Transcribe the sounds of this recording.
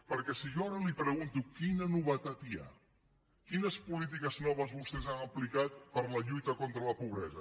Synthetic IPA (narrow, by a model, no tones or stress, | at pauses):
pəɾkɛsiʒoaɾəlipɾəɣunt̪ukinənuβət̪at̪ia̰ | kinəspulit̪̬ikəznɔβ̞əzβust̪ɛzanəplikat̪̚pəɾləʎujt̪əkɔnt̪ɾələpuβɾɛzə